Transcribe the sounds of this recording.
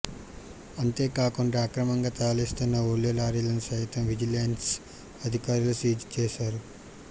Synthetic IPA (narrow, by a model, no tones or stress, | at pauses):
ɐnt̪e̞ːkaːkuɳɖaːkɾɐmɐŋɡaːt̪aːlist̪unːɐoːljolaːɾilɐnisɐjt̪ɐmʋid͡ʒilejns | ɐd̪ʱikaːɾulusiːd͡ʒt͡ʃeːʃaːɾu